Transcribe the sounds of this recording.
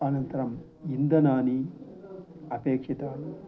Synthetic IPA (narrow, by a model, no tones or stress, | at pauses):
ɐnɐnt̪ɐɾɐm | ind̪ɐnaːni | ɐpeːkʂit̪aːnu